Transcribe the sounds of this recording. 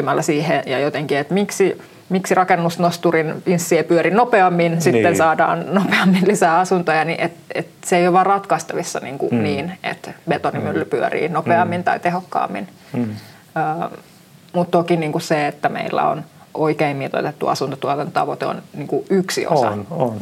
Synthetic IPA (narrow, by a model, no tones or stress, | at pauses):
ymælːæsiːhejɑjot̪eŋkiet̪miksi | miksirɑkenːusnost̪urininsːiepyøɾinopeɑmːinsit̪ːensɑːdɑ̰ːnnopeɑmːinlisæːɑsunt̪ojɑniʔet̪et̪seeijoʋʋɑrrɑt̪kɑist̪ɑʋisːɑnḭːŋkṵniːnḛt̪bet̪onimylːypyørḭːnopeɑmːint̪ɑit̪ehokːɑ̰ːmːḭn | əː | mut̪t̪okiniːŋkusseet̪ːæmḛilːæ̰o̰n | ʔoikeimmit̪o̰t̪et̪ːuɑ̰sunt̪ɑt̪uɑt̪ɑntot̪ɑʋot̪eo̰nniːŋkuʔyksḭo̰sɑ̰on